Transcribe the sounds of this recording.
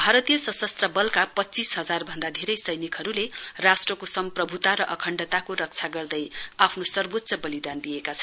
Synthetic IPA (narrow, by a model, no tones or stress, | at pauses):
bʱaɾʌt̪ijʌsʌ̃sʌst̪rʌbʌlkapʌtːt͡sisɦʌd͡zarbʱʌnd̪ad̪ʱeɾʌjsʌjnikɦʌɾulerasʈrʌkosʌmprʌbʱut̪aɾʌʔʌkʰʌɳɖʌt̪akoɾʌk̚t͡sʰaɡʌrd̪ʌjapʰnosʌrbot̪ːsʌbʌlid̪and̪ijekat͡sʰʌn